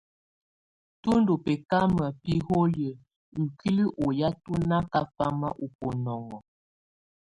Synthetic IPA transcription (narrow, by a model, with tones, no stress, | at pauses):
tu˦ndo˨pɛ˨ka˦mə˨pi˦ho˦jə˨ | ŋ̩˨kʰi˦li˦ʔo˨ja˦tu˦na˦ka˦fa˦ma˦ʔu˨po˨nɔ˨ŋɔ˨